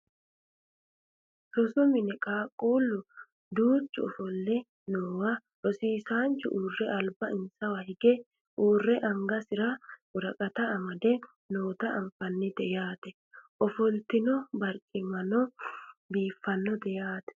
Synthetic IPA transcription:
sɔsɔmɪnɛkʼaːkʼːuːlːʊ | d̪uːt͡ʃːʊɔfɔlːɛ | noːwɐ | ʔɔsiːsaːnt͡ʃʊ̰ʔuːrːɛʔɐlbɐɪnsɐwɐhɪɡɛ | uːrːɛʔɐŋɡɐsɪɾɐʊɾɐkʼɐt̪ɐːmɐd̪ɛ | noːt̪ɐʔɐmfɐnːɪd̪ɛjaːt̪ɛ | ʔɔfɔlt̪ɪnɔbɐɾkʼːɪmɐnɔbiːfːɐnːɔd̪ɛjaːt̪ɛ̥

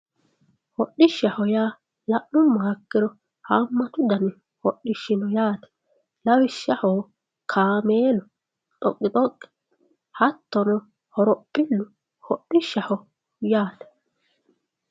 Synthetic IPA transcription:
hɔɗːɪʃːɐhɔjaː | lɐʔːʊmːɐhɐkːɪɾɔ | hamːɐt̪ʊd̪ɐnɛ | hɔɗɪʃːɪnɔjaːt̪ɛ̥ | lɐwɪʃːɐhɔː | kʰaːmeːlɔ | t̪ʼɔkʼːɪt̪ʼɔkʼːɪ̥ | hɐt̪ːɔnɔ | hɔɾɔpʼːɪlːʊ | hɔɗːɪʃːɐhɔ | jaːt̪ɛ̥

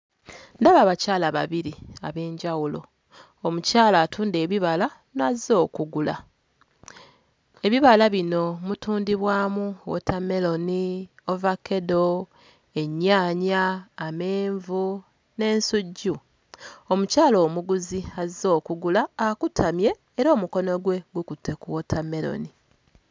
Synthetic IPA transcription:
ndaβaːβacaːlaβa̰βiɾia̰βe̞ːɲɟawulo̞ | omucaːlaːtʰuːnde̞ːβiβala | nazo̞ːkuɡula̰ | e̞βiβalaβino̞mutuːndiβwaːmuwo̰tʰame̞lo̞niovakːe̞do | e̞ɲːaːɲaːmeːɱvu | ne̞ːnsuɟːu | omucaːlo̞ːmuɡuziazo̞ːkuɡulaːkutʰamje̞ːɾo̞ːmuko̞no̞ɡwe̞ɡwukutʰːe̞kuwotʰame̞lo̰ni

